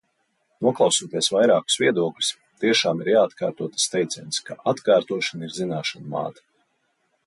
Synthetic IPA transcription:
nuɔklˠawsuːt̪iɛsvajɾaːku̥sviɛd̪uɔklʲu̥s | t̪iɛʃaːmiɾjaːt̪ka̰ːɾt̪uɔt̪ḁst̪ɛjt̪sʲɛjnskaʔat̪kaːɾt̪uɔʃaniɾzinaːʃanma̰ːt̪ḁ

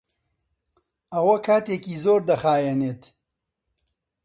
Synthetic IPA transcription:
ɐwɐkʰaːt̪eːkiːzoːɾd̪ɐxaːjɛneːt̪

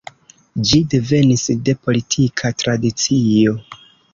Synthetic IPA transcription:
d͡ʒide̞ve̞nisde̞po̞litʰikʰatɾadit͡sio̞

